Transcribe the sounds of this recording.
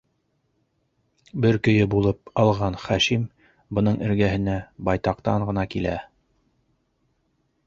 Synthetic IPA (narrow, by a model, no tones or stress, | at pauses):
bɘɾkɵ̆jɘbulˠɤp̚ɑlˠʁɑnχæʃim | bɤ̆nɤɴɘ̆ɾɡæɦɘ̆næbɑjt̪ɑqt̪ɑɴʁɤ̆nɑkilæ̰